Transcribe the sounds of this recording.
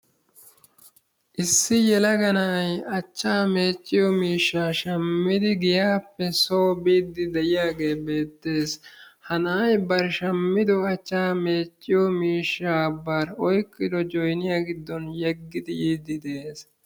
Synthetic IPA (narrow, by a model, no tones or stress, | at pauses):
ʔɪsːɪjɛlɐɡɐnajɐt͡ʃːaːme̞ːt͡ʃʼːɪjɔmiːʃːaːʃɐmːɪd̪ɪɡɪjaːpːɛsoːbiːd̪ːɪd̪ɛʔɪjaːɡe̞ːbe̞ːt̪ːe̞ːshɐnaːjbɐɾʃɐmːɪd̪ɔɐt͡ʃːaːme̞ːt͡ʃʼːɪjɔmiːʃːaːbːaːɾɔjkʼːɪd̪ɔd͡ʒɔjnɪjaːɡɪd̪ːɔnjɛɡːɪd̪ɪjiːd̪ɪd̪e̞ːs